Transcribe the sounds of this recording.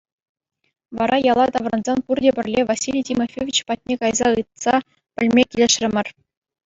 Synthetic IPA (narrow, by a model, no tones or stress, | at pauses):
ʋɑɾʔɑjɑlˠɑt̪ɑʋrɑnzɑnpurdʲebʲɘ̆rʲlʲeʋasʲilʲijtʲimofʲevʲit͡ɕpɑt̚ʲnʲekɑjzɑɯt̪̚sɑ | pʲɘ̆lʲmʲekʲilʲeɘʂrʲɘ̆mʲɘ̆rʲ